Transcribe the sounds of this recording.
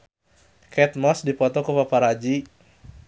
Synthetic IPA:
kɛt̪̚mɔsdipɔt̪ɔkupapaɾad͡ʒi

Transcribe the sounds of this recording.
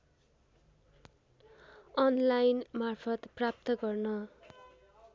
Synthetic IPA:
ʌnlajnmarpʰʌt̪prap̚t̪ʌɡʌrnʌ

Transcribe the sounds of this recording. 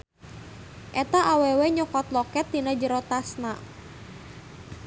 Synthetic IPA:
ʔɛt̪aʔawɛwɛɲɔkɔt̪lɔkɛt̪ːinəd͡ʒəɾɔt̪asna

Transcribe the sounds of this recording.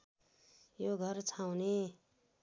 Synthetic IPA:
joɡʱʌrt͡sʰawne

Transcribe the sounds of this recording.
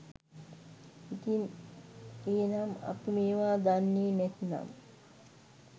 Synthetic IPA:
it̪in | eːnama̰pimeːʋaːd̪anːeːnɛt̪na̰m

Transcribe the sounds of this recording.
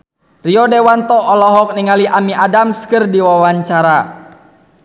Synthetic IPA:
riɔdɛwant̪ɔʔːlɔɦɔk̚niŋaliʔamiʔadamskɨrdiwawaɲt͡ʃaɾa

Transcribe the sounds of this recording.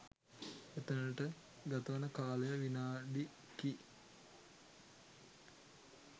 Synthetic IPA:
et̪ənəʈə | ɡ̪at̪əʋanəkaːlejəʋinaːɖi | ki

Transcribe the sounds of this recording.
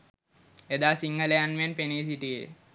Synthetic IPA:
ed̪aːsiŋɡəlejanʋenpeniːs̬iʈijḛ

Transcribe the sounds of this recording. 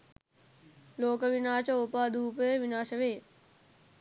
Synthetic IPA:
loːkəʋinaːʃəupaːd̪uːpəjeʋinaːʃəʋeː

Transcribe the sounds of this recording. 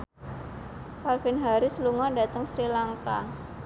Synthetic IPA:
kalɡɛnɦaɾisluŋɔndat̪əŋsɾilaŋka

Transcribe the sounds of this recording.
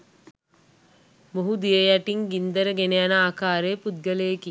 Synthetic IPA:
moɦud̪ijəjaʈiŋɡind̪əɾəɡenejanəaːkaːɾeːpud̪̚ɡəlejeki

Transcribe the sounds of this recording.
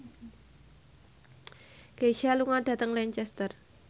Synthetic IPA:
ɡ̥eʃaluŋɔɖ̥ä̤t̪əŋlɛɲt͡ʃɛst̪ər

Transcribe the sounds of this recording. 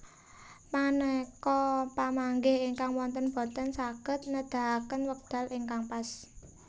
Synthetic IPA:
manəkɔpamaŋɡehiŋkaŋwɔnt̪ənb̥ɔ̤t̪ənsaɡ̥ə̤t̪̚nəd̪̥a̤kənwək̚d̪̥a̤lʔiŋkaŋpas

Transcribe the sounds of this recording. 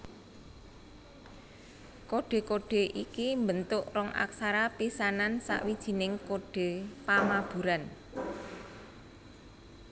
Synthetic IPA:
koɖ̥e̤koɖ̥e̤ʔikimbənt̪ʊʔrɔŋʔa̰ksaɾapisanansa̰ʔwid̥ʒ̥i̤nɪŋkoɖ̥e̤pamab̥ṳɾan

